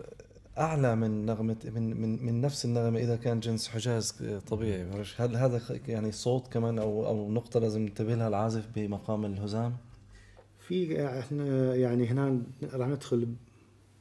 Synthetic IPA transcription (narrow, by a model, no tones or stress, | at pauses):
ʔaʕlamɪnːaɣmaɪmɪmɪnːafsɪnːaɣmʔɪðakaːnd͡ʒɪnsħɪd͡ʒaːzt̪ˤɑbiːʕibaɾˤeʃhalːɦaːd̪ajaʕnisˤoːt̪ˤkamaːnʔawʔa̰wnʊqt̪ˤɑlaːzɪmnɪt̪abɪlhalʕaːzɪfbɪmaqɑːmɪlhʊzaːm | fiɪnajaʕniɦnaːɾˤɑːħnɪd̪xʊlb